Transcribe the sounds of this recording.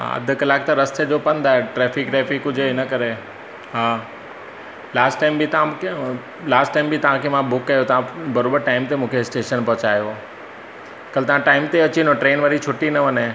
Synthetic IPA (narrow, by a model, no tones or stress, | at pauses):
ɦa̰ɐ̰d̪ʱkɐlaːk̚t̪ɐɾɐst̪ed͡ʑopɐ̃nd̪aːɦeʈɾɛːfɪkʈɛːfɪkɦʊd͡ʑʱeɪnəkɐɾe | ɦaː | laːsʈːaːɪmbɪt̪ɐãke | laːsʈaːɪmbʱɪt̪ɐʋ̤ãkʰemãbʊkːɐjot̪ɐʋãbɐɾoːbəɾʈaːɪmt̪emũːkʰeɪsʈeːʃənpɐɦʊt͡ɕaːjo | kɐlɪt̪ɐʋ̤ãʈaːɪmt̪eɐt͡ɕinõʈɾeːnʋɐɾit͡ɕʰʊʈinɐʋɐne